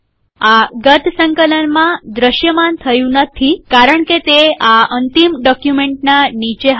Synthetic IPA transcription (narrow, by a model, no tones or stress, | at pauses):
aɡət̪ʰsə̃ŋkələnmãd̪ɾəɕjəmant̪ʰəjũnət̪ʰikaɾəɳket̪eaənt̪imɖɔkjumeɳʈnanit͡ɕeɦ